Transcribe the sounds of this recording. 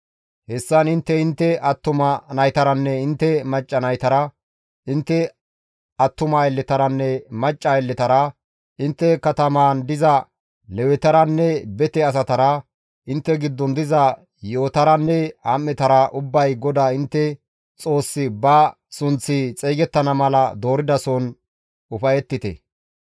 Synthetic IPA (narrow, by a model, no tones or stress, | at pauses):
hɛsːɐnɪnt̪ːɛɪnt̪ːɛʔɐt̪ːʊmɐnɐjt̪ɐɾɐnːɛɪnt̪ːɛmɐt͡ʃʼːɐnɐjt̪ɐɾɐ | ɪnt̪ːɛ | ɐt̪ːʊmɐɛlːɛt̪ɐɾɐnːɛmɐt͡ʃʼːɐɛlːɛt̪ɐɾɐ | ɪnt̪ːɛkɐt̪ɐmaːnd̪ɪzɐ | lɛwɛt̪ɐɾɐnːɛbɛt̪ɛɐs̬ɐt̪ɐɾɐ | ʔɪnt̪ːɛɡɪd̪ːɔnd̪ɪzɐ | jo̞ːt̪ɐɾɐnːɛha̰mːɛt̪ɐɾɐʔʊbːɐjɡɔd̪aːɪnt̪ːɛ | t͡sʼo̞ːsːɪbɐ | sʊnt͡sːɪt͡sʼejɡɛt̪ːɐnɐmɐlɐd̪o̞ːɾɪd̪ɐson | ʊfɐjɛt̪ːɪt̪ɛ̰